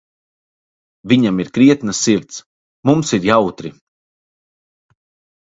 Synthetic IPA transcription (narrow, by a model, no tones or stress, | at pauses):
viɲamiɾkɾiɛt̪nasːiɾt̪s | mumsiɾjawt̪ɾi